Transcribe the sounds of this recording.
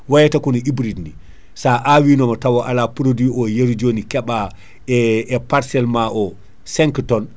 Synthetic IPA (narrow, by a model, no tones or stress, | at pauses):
wajɛtakunɔibɾidni | saʔawinɔmɔtawɔʔalapuɾodwiɔjeɾd͡ʒonikɛɓa | ɛɛpaɾsɛlmaʔɔ | sɛŋktɔn